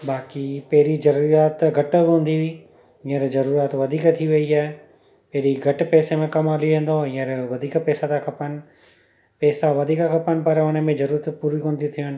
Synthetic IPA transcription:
baːkipɐɦɾizɐɾuːɾijaːt̪ɡʱɐʈəbɪɦũːnd̪iʋiː | ɪ̃ə̃ɾzɐɾuːɾijaːt̪ʋɐd̪ʱiːkt̪ʰiʋɐiaːɦe | pɐɦɪɾiɡʱɐʈpɛːsemẽkɐmaːliʋẽːn̆d̪oɪ̃ːə̃ɾʋɐd̪ʱiːkpɛːsat̪akʰɐpənɪ̆ | pɛːsaʋɐd̪ʱiːkakʰɐpənɪ̆pɐɾʊnə̆mẽzɐɾuːɾət̪puːɾikõːnd̪it̪ʰijʊnɪ̆

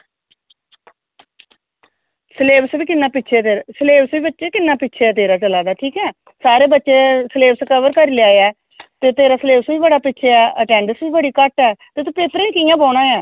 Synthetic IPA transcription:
sleːbsbiːkɪnːaːpɪːt͡ʃʰeːt̪eːsleːbsʋiːbətːʃeːkɪnːaːpɪtːt͡ʃʰeːɛːt̪̬eːɾaːt͡ʃəlaːd̪aːʈʰiːkɛː | saːɾeːbətːʃeːsleːbskəʋəɾkəɾilɪjaːɛː | t̪eːt̪eːɾaːsleːbsʋiːbəɽaːpɪːt͡ʃʰeːɛːəʈɛ̃ːɳɖəsbiːbəɽiːkəʈɛːt̪eːt̪ũːpeːt̪ɾẽːĩːkɪjãːboːɽãːjãː

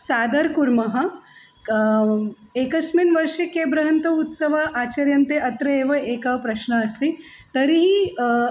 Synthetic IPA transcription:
saːd̪ɐɾkuɾmɐɦɐ | ekɐsminʋɐɾʂekebɾɐɦɐnt̪ɐut̪səʋaʔat͡ɕɐɾjɐnt̪eʔɐt̪ɾɐeʋɐekapɾɐʃɳəːst̪i | t̪əɾiɦi

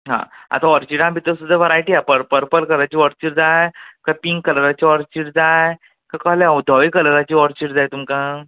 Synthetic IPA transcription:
ɦã̰a̰t̪aɔɾt͡ɕiʈãbʱit̪əsud̪ʱaʋəɾajʈijapəɾpəɾpəlkəɾajt͡ɕiːʋɔɾt͡ɕiːʈd͡zajkapiŋɡkːələɾat͡ɕiɔɾt͡ɕiːʈd͡zaj | kakaɦlãud̪ʱɔʋikələɾat͡ɕiːɔɾt͡ɕiːʈd͡zajt̪umkã

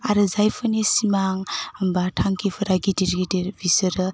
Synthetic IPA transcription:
aɾɯzajpʰɯnisimaŋmbatʰaŋkʰipʰɯɾaɡidiɾɡidiɾbisɯɾɯ

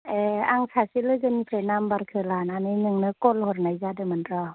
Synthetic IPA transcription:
eaŋsʰasilɯɡɯnipʰenambaɾkʰɯlananɯnɯŋnɯkɔlhɔɾnajzadɯmɯnɾa

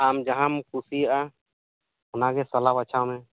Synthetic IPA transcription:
amd͡ʒaɦãmkʰusijaʔa | hʊnaɡɛsɔlabat͡ʃʰawmɛ

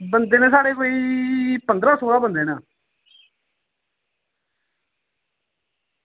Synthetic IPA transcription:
bənd̪eːnẽːsaːɽeːkoːiːpənd̪ɾaːsoːlaːbənd̪eːnãː

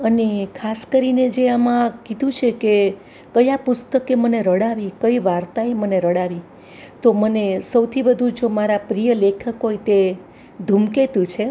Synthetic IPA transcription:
ənekʰaskəɾined͡ʒeamãkid̪ʱũt͡ʃʰeke | kəjapʊst̪əkeməneɾəɽaʋikəiʋaɾt̪aeməneɾəɽaʋi | t̪omənesəwt̪ʰibəd̪ʱũd͡ʒomaɾapɾijəlekʰəkɦojt̪e | d̪ʱumket̪ũt͡ʃʰe

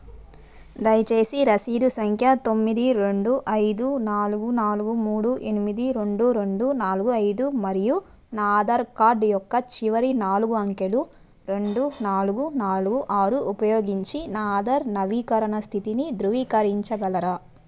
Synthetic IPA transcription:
d̪ɐjɐt͡ʃe̞ːsiɾɐsiːd̪usɐŋkʰjɐt̪o̞mːid̪iɾe̞ɳɖuʔɐjd̪unaːluɡunaːluɡumuːɽuʔe̞nimid̪iɾe̞ɳɖuɾe̞ɳɖunaːluɡuɐjd̪umɐɾiju | naːd̪ɐɾkaːɾɖjɔkːɐt͡ʃiʋɐɾinaːluɡuɐŋkelu | ɾe̞ɳɖunaːluɡunaːluɡuʔaːɾuʔupɐjoːɡiɲt͡ʃinaːd̪ɐɾnɐʋiːkɐɾɐɳɐst̪ʰit̪inid̪ɾuʋiːkɐɾiɲt͡ʃɐɡɐlɐɾɐ

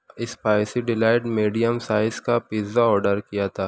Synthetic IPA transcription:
ɪspaːjsiɖɪlaːɪʈmiːɖijəmsaːɪskapizaɔːɾɖəɾkijat̪ʰaː

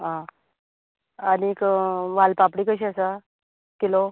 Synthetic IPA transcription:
ɦã | aniːkʋalpapɽiːkəɕ̬iasa | kilo

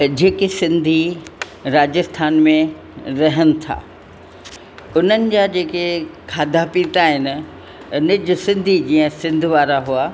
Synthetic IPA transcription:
d͡ʑeːkesɪ̃nd̪ʱi | ɾaːd͡ʑəst̪ʰaːnmẽ | ɾɐɦənɪ̆t̪ʰa̰ː | ʊn̤ənɪ̆d͡ʑaːd͡ʑeːkekʰaːd̪ʱapĩːt̪aɦɪnɪ̆ | ʊnɪd͡ʑʊsɪ̃nd̪ʱid͡ʑiːə̃sɪ̃nd̪ʱʋaːɾaɦuaː

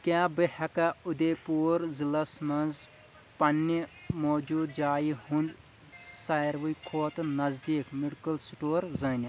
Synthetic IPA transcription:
kjaːbehɐkaud̪eːpuːɾzilɐsmɐnz | pɐnːimoːd͡ʒuːd̪̚d͡ʒaːihun | saːjɾʋujkʰoːt̪nɐzd̪iːkmiɽkɐlsʈoːɾzɐːni

